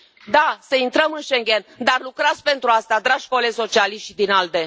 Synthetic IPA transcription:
d̪asəint̪ɾəmɨnʃeŋɡʲe̞nd̪arlukɾat̪sʲpe̞nt̪ɾuast̪ad̪ɾaʒ̥koleso̞t͡ʃialiʃt̪ʲd̪inald̪e̞

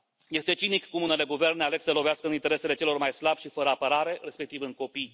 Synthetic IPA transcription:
je̞st̪e̞t͡ʃinikːumune̞le̞ɡuve̞rneale̞ɡsəlo̞veaskəɨnint̪e̞ɾe̞se̞le̞t͡ʃe̞lo̞rmajslabʲʃifəɾəapəɾaɾe̞re̞spe̞k̚t̪ivɨŋko̞pij

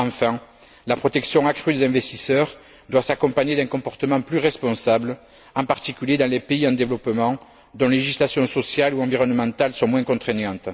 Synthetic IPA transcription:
ɑ̃fɛ̃ | lapχɔt̪ɛksjɔ̃akχyd̪ezɛ̃vɛst̪isœʁ | d̪wasakɔ̃paɲed̪ɛ̃kɔ̃pɔʁt̪əmɑ̃plyʁɛspɔ̃sabl | ɑ̃paʁt̪ikʲyljed̪ɑ̃lepeiɑ̃d̪evəlɔpəmɑ̃ | d̪ɔ̃leeʒislasjɔ̃sɔsjaluɑ̃viʁɔnmɑ̃t̪alsɔ̃mwɛ̃ŋkɔ̃t̪χeɲɑ̃t̪

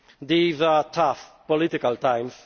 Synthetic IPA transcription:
d̪iːzatʰafpɔlɪt̪ɪkalt̪ãj̃ms

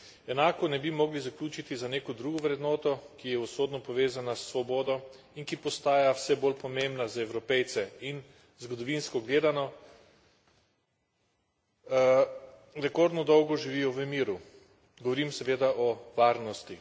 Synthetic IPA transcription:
ɛnaːkɔnɛbimɔːɡlizaklʲuːt͡ʃit̪izaneːkɔd̪ɾuːɡɔʋɾɛd̪nɔːt̪ɔkijɛusoːd̪nɔpɔʋeːzanasːʋɔboːd̪ɔ | inkipɔst̪aːjawsɛbolpɔmembnazaɛwɾɔpɛjt̪sɛin | zɡɔd̪ɔʋinskɔɡleːd̪anɔ | ɾɛkoɾd̪nɔd̪ɔwɡɔʒiʋiːjɔʋəmiːɾu | ɡɔʋɔɾimsɛʋeːd̪aʔɔʋaːɾnɔst̪i

